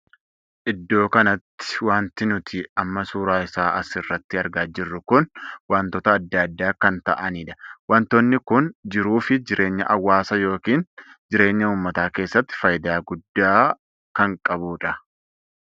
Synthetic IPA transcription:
ʔɪd̪ːo̞ːkɐnɐt̪ːɪ̥waːnt̪ɪnʊt̪ʰɪɐmːɐsuːɾaːɪsaːʔɐsɪrːɐt̪ːɪɐɾɡaːd͡ʒɪrːʊkʊnwaːnt̪ɔt̪ɐːd̪ːɐd̪ːaːkɐnt̪ɐʔɐniːᶑɐ̥waːnt̪oːnːɪkʊnd͡ʒɪɾuːfɪd͡ʒɪɾʔe̞ːɲːɐ̰ʔɐwːaːsɐjo̞ːkiːnd͡ʒɪɾe̞ːɲːɐuːmːɐt̪aːke̞ːsːɐt̪ːɪ̥fɐjd̪aːɡʊd̪ːaː | kɐŋkʼɐbuːᶑɐ

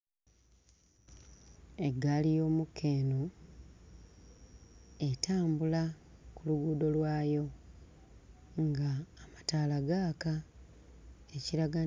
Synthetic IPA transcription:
e̞ɡalijo̞ːmukːe̞ːno | e̞tʰaːmbula | kuluɡuːdo̞lwaːjo̞ | ŋɡaːmataːlaɡaːka | eciɾaɡa

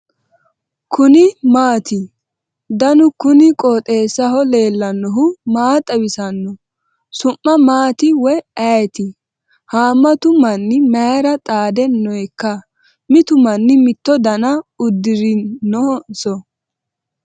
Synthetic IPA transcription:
kʰʊnɪmaːt̪ɪ | d̪ɐnʊkʊnɪkʼɔːt̪ʼe̞ːsːɐɦɔle̞ːlːɐnːɔɦʊmaːt̪ʼɐwɪsɐnːɔ | sʊmːɐmaːt̪ɪwɔjɐjɛt̪ɪ | haːmːɐt̪ʊmɐnːɪmɐjɾɐt̪ʼaːd̪ɛnːɔjkːɐ | mɪt̪ʊmɐnːɪmɪt̪ːɔd̪ɐnɐʊd̪ːɪɾɪnːɔsɔ

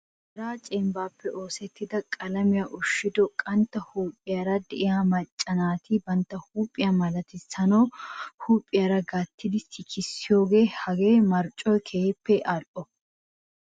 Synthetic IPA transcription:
ɛɾaːt͡ʃʼɛmbaːpːɛʔo̞ːsɛt̪ːɪd̪ɐkʼɐlɐmɪjaːʔʊʃːɪd̪ɔkʼɐnt̪ːɐhuːpʼːɪjaɾɐd̪ɛʔɪjaːmɐt͡ʃʼːɐnaːt̪ɪbɐnt̪ːɐhuːpʼːɪjamɐlɐt̪ɪsɐnɐwhuːpʼːɪjaɾɐɡaːt̪ːɪd̪ɪsɪkʰɪsːɪjo̞ːɡe̞ːhɐɡeːmɐɾt͡ʃʼːɔjkʰeːpːɛʔɐlʔɔ

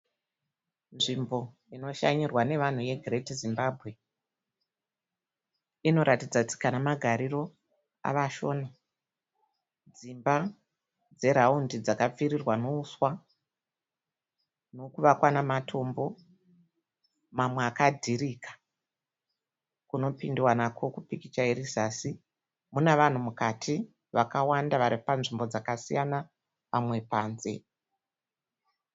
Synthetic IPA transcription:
nʐimbo̞ | ino̞ʃa̰ɲirwane̞ʋan̤uje̞ɡʱretizimbabʱɣe̞ | ino̞ɾʔatid͡zat͡si̥kanamaɡʱaɾiro̞ | a̰ʋaʃo̞̰na | d͡zimba | d͡ze̞ɾaundid͡zakap͡fiɾirwano̞uswa | no̞kuʋakwanamatʰo̞mbo̞ | mamweakadʱirikḁ | kuno̞pindiwanakʰo̞kupikit͡ʃaeɾisasi | muneʋan̤umukatʰi | ʋakawandaʋaɾipanʐimbo̞d͡zakasijana | pamwe̞paːnze̞̰

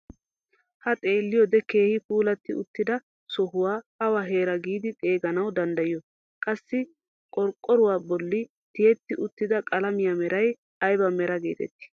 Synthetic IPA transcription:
hɐt̪ʼe̞ːlːɪjɔd̪ɛke̞ːhɪpuːlɐt̪ːɪʊt̪ːɪd̪ɐ | sɔɦʊwaːɐwaɦe̞ːɾɐɡiːd̪ɪt̪ʼe̞ːɡɐnɐwd̪ɐnd̪ɐjɪjɔ | kʼɐsːɪ | kʼɔɾkʼːɔɾʊwaːbɔlːɪ | t̪ɪjɛt̪ːɪʔʊt̪ːɪd̪ɐkʼɐlɐmɪjamɛɾɐj | ɐjbɐmɛɾɐɡeːt̪ɛ̰t̪ːɪ̥

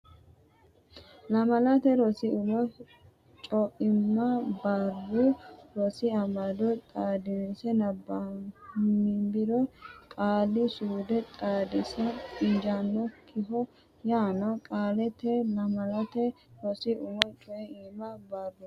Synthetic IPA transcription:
lɐmɐlɐt̪ɛɾɔsɪʊmɔ | t͡ʃʼɔʔɪmːɐbaruɾɔsɪɐmɐd̪ɔt̪ʼaːd̪ɪnɛsɛnɐbɐmɪmbɪɾɔkʼaːlːɪsuːd̪ɛt̪ʼaːd̪ɪsɛɪnd͡ʒanːɔkʰɪɦɔ | jaːnɔkʼaːlɛt̪ːɛlɐmɐlɐt̪ɛ | ɾɔsɪʔʊmɔt͡ʃʼɔʔɛimɐbabʊ

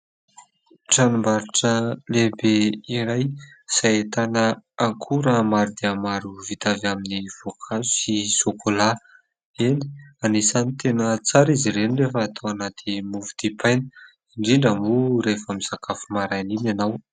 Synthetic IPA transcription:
ʈ͡ʂanumbaɾiʈ͡ʂəlebeiɾaj | sajet̪anəaŋkʰuɾəmaɾud̪eamaɾuvit̪avaminiv̥okʰazu̥sisokʰola | eni̥anisanit̪enət͡saɾiziɾenirefəːt̪ʰoanat̪emuvud̪̥ipʰajnə | iɳɖ͡ʐiɳɖ͡ʐamuɾefamiz̥akʰafumaɾajninanaw

